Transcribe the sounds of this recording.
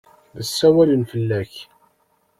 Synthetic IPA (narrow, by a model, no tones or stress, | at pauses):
ðəsːæwælənfəlːæç